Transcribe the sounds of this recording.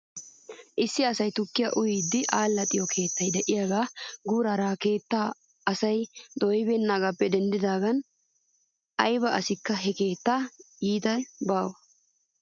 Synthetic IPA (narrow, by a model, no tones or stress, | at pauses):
ʔɪsːɪɐsɐjt̪ʊkːɪjaʔʊjiːd̪ːɪʔaːlːɐt̪ʼːɪjɔkʰe̞ːt̪ːɐjd̪ɛʔɪjaːɡaːɡuːɾaːɾaːke̞ːt̪ːaː | ɐsɐjd̪ɔjɪbɛːnːaːɡaːpːɛd̪ɛnd̪ɪd̪aːɡɐn | ɐjbɐʔɐsɪkːɐɦɛke̞ːt̪ːa | iːt̪ɐbaːwɐ